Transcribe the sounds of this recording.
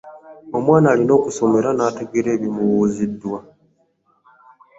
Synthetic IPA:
o̞mwaːnaːlino̞ːkuso̞me̞ɾanaːte̞ɡeɾe̞ːβimuwuːzidːwa

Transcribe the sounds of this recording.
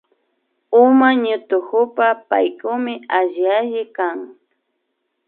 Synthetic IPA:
ʊmaɲʊt̪ʊkʊpapajkʊmɪaʒjaʒɪkaŋ

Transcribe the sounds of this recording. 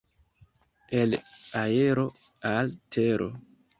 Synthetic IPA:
elaje̞ɾo̞ | altʰeɾʔo̰

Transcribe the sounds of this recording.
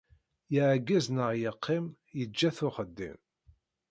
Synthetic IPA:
jəʕɡːæznəʁjəqʰːɪm | jəd͡ʒːæθʊχəd̪ːḭm

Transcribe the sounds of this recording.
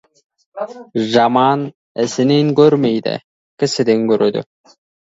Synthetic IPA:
ʒɑmɑn | ɪsɪ̆neŋkʲɵɾmejd̪ɪ̰ | kʲɪsɪd̪eŋkʲɵɾød̪ʏ̰

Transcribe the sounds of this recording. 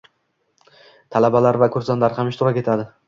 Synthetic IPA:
t̪ʰalabalaɾvakʰɵɾsanlaɾhamɪʃt̪ɪɾɒkʲe̞t̪ʰad̪ɪ

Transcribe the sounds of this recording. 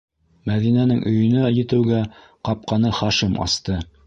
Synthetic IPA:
mæðinænɘŋʔɵ̆jɵ̆næjɘ̆t̪ɘ̆wɡæ | qɑp̚qɑnɤχɑʃimɑ̰st̪ɤ

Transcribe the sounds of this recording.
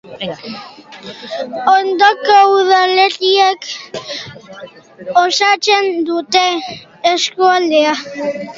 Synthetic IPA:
ond̪okouðaleriek | osat͡send̪ut̪eː | skoalea

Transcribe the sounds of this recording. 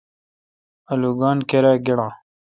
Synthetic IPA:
ɐluɡɑːnkeɾaɡiɽãː

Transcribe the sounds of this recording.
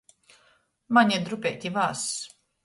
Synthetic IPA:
maɲʲid̪ɾupʲɛ̰t̪ʲivaːs

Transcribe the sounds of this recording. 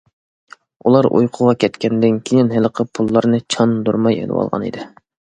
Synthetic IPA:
ulˠɑɾʔṵjqʰʊʁɑkʲʰɛt̪kʲʰɛnd̪ɪnkʲʰejɪnɦɪləqʰəpʰulˠːɑɾnɨt͡ʃʰɑnd̪uɾmɑjḛlɪ̰wɑ̰lˠʁɑ̰nḭd̪ɪ

